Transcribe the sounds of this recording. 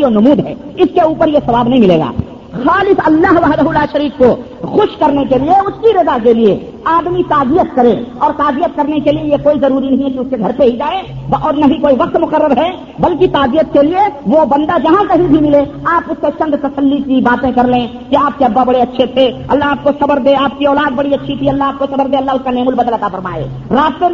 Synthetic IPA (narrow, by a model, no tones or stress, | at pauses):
iɔːnɐmuːd̪ɦɛ̰ːɪskeuːpəɾjesɐʋaːbnəɐɦĩmɪlḛːɡa̰ː | xaːlɪfɐlːaːɦʋaːɦd̪ɐɦʊlaːʃɐɾiːkko | xʊʃkɐɾnekelieʊskiɾɪzakeliḛ | aːd̪mit̪aːzijət̪kɐɾẽːɔːɾt̪aːzijət̪̚kɐɾnekeliejekoːizɐɾuːɾinɐɦĩɛkiʊskeɡʱɐɾpeɦid͡ʒaːe | ʔɔːɾnɐɦĩkoːiʋɐq̚t̪mʊqəɾːəɾɦɛ | bɐlkit̪aːzijət̪̚kelieʋobɐ̃nd̪ad͡ʒɐɦãkɐɦĩbʱimɪleaːpʊsket͡ʃɐ̃nd̪ʱt̪ɐsəlːikibaːt̪ẽkɐɾlẽ | kiaːp̚keɐbːabɐɽeɐtːʃʰet̪ʰeɐ̰lːaɦaːp̚kosɐbəɾd̪eaːp̚kiɔːlaːd̪̚bɐɽiɐtːʃʰit̪ʰiɐlːaɦaːp̚kosɐbəɾd̪eːɐlːaɦʊskaneːmʊlbɐd̪əlɐt̪afəɾma̰ːḛː | ɾaːst̪e